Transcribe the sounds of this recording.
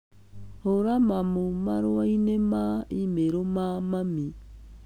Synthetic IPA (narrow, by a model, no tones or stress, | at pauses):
hoɾamamomaɾoainemaimeɾomamami